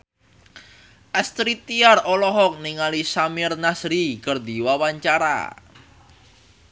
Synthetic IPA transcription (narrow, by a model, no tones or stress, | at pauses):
ʔɛst̪ɾit̪iarolɔɦɔk̚niŋalisamɪrnasɾikərd̪i̤wawaɲt͡ʃaɾa̰